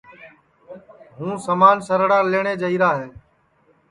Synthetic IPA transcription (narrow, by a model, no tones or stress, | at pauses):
ɦũːsəmaːnsəɾɽaːleːɳ̃eːd͡ʒəiːɾaːɦeː